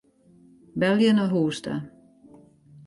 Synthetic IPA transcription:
bɛljənəɦuːsta̰

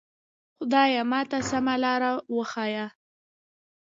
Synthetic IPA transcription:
xʊd̪ɑjamɑt̪asamalɑɾawəxɑja

